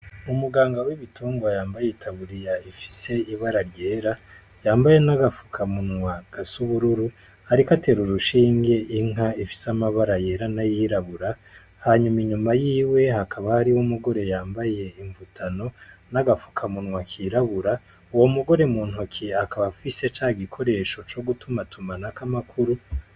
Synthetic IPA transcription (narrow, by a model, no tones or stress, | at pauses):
umuɡaːŋɡawiβituːŋɡwajaːmbajeitʰaβuɾijaifi̥se̞iβaɾaɾɟe̞ːɾa | jaːmbaje̞naɡafu̥kʰamunŋwaɡ̥asuβuɾuɾu | haɾikate̞ɾuɾuʃiːŋɡe̞ʔiŋɦaifi̥samaβaɾaje̞ːɾanajiɾaβuɾa | haɲumiɲumajiːwe̞ɦakʰaβahaɾiwumuɡo̞ɾe̞jaːmbaje̞iɱvutʰano̞naɡafu̥kʰamunŋwakʰiːɾaβuɾa | uwo̞muɡo̞ɾe̞muːn̥ɦukʰiakaβafise̞t͡ʃaːɡikʰo̞ɾe̞ːʃo̞t͡ʃo̞ɡutumatumanakamakʰuɾu